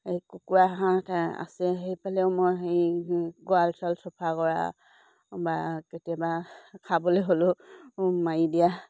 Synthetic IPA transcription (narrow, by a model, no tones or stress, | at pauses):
ejkukuaɦãta̰sɛɦejpalɛʊmojɦejɡɔalsɔlsɔpʰakɔɹa̰ | baketiabakʰaboloɦolʊ | majidija